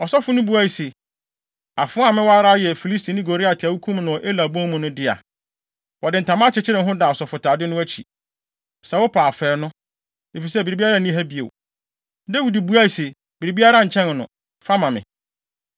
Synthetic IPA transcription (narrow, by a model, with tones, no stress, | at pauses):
ɔ˨sɔ˦fʊ˦nʊ̃˦bu˦a˦˨i˨se˨ | a˨fʊ̃˦a˨mɪ̃˦wɔ˦a˦ɾa˦jɛ˨fi˨li˦sti˨nɪ̃˦ɡo˨ɾi˦a˨tʰɪ˨a˨wu˦kʰũ˦m˦nʊ̃˨ʔe˦la˨bɔ̃˦mːũ˨nʊ̃˦dɪ˦a̰˨ | wɔ˨dɪ˨n̩˨tʰã˨mã˦t͡ɕʰɪ˨t͡ɕʰɪ˦ɾɪ̃˨ɦʊ̃˦da˨ɔ˨sɔ˨fʊ˨tʰaː˨dɪ˦nʊ̃˦æ˦t͡ɕʰi˨ | sɛ˨wʊ˦pʰaː˨fɛː˨˦nʊ̃˦ | e˨fi˨s̬ɛ˦˨bi˨ɾi˨bi˦a˦ɾa˦˨nĩ˦ɦæ˦bi˨ḛ˨w | de˦wi˨di˨bu˨˦a˦i˨se˨ | b̥i˨ɾi˨bi˦a˦ɾa˦ɲ̩˨t͡ɕʰɛ̃˦n˨nʊ̃˨ | fa˦mã˨mɪ̰̃˨